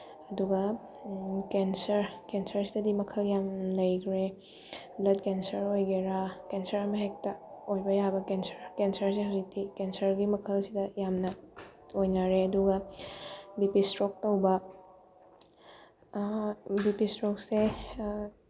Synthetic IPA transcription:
ɐduɡɐ | kensɐɾkensɐɾsidɐdimɐkʰɐljamlɐjkɾe | blɐd̚kensɐɾojɡeɾakensɐɾɐmɐɦek̚tɐojbɐjabɐkensɐɾkensɐɾsehɐwzik̚dikensɐɾɡimɐkʰɐlsidɐjamnɐojnaɾeɐduɡɐ | bipistɾok̚tɐwbɐ | bipistɾok̚se

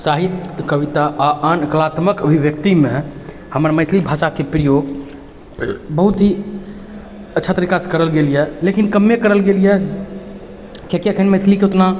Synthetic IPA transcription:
saɦit̪kəʋit̪aʔaʔankəlat̪məkəbʱiʋjək̚t̪imẽ | həməɾməjt̪ʰlibʱasakepɾijoɡ | bəɦut̪ɦi | ətːʃʰat̪ɾikaskəɾəlɡelijɛlekinkəmːekəɾəlɡelijɛ | kekiəkʰənməjt̪ʰlikeot̪na

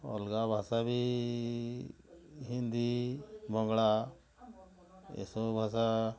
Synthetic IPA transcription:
ɔ̰lɡabʱasabʱi | ɦĩnd̪ibʱɔŋɡɭa | ḛsobʱasa

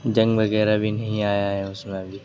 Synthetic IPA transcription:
d͡ʒɐ̃ŋɡʋɐɣɛːɾabʱinɐɦĩaːjaɦɛʊsmẽbʱiː

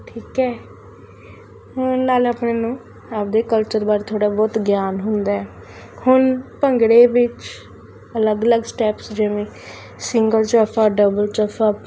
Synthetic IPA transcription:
ʈʰiːkɛː | ɦʊnnaːləːpɳeːnũː | aːp̚d̪eːkəlt͡ʃəɾbaːɾt̪ʰoːɽaːbɔːt̪ɡjaːnɦʊnd̪aːɛː | hʊnpəŋɡɽeːʋɪt͡ʃ | ələɡələɡsʈɛːpsd͡ʒeʋẽː | sɪŋɡəlt͡ʃəfʰaːɖəbəlt͡ʃəfaː

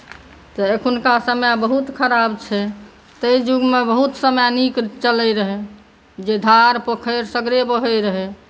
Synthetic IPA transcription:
t̪ɔekʰunkasəmjabəɦut̪kʰəɾabt͡ʃʰɛ | t̪əjd͡ʒuɡmebəɦut̪səmjanikɾt͡ʃələjɾəɦe | d͡ʒed̪ʱaɾpəkʰəɾsəɡɾebəɦəjɾəɦe

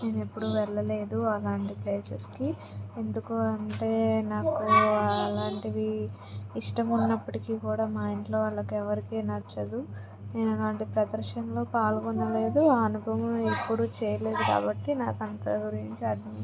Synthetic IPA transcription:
ne̞ːne̞pːuɽuʋɛɭːɐle̞ːd̪uɐlaːɳʈipleːsɐski | e̞nd̪ukoːɐɳʈe̞ːnaːkuɐlaːɳʈid̪iː | ʂʈɐmunːɐpːɐʈikiːkuːɽaːmaːjiɳʈlo̞ːɐlːɐkuɛʋɐɾikeːnɐɾt͡ʃɐd̪u | ne̞ːnɐlaːɳʈipɾɐd̪ɐɾʂɐmlo̞ːpaːlkonːɐle̞ːd̪uaːɐnubʱɐʋɐmepːuɽut͡ʃɛːjɐle̞ːd̪uka̰ːbɐʈːinaːkɐnt̪ɐ̰ɡuɾiɲt͡ʃiɐd̪ʱɐm

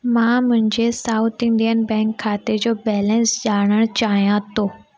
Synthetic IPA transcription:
mãmʊ̃ɦɪ̃ɲd͡ʑesaːʊt̪ʰɪ̃ɳɖijənbɛ̃ːŋkʰːaːt̪ed͡ʑoːbɛːlə̃nsd͡ʑaːɽ̃əɽ̃t͡ɕaːɦijãt̪ʰoː

